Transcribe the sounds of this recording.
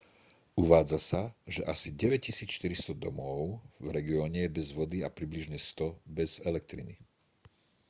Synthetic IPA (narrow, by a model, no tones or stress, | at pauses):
uʋaːd͡zasaʒɛʔasiɟɛʋɛc̚cisiːt͡sʃt̪iɾist̪ɔd̪ɔ̰mɔʊvɾɛɡiɔːɲɛjɛbɛzʋɔd̪iapɾibliʒɲɛst̪ɔbɛz̥ɛlɛk̚t̪ɾḭnḭ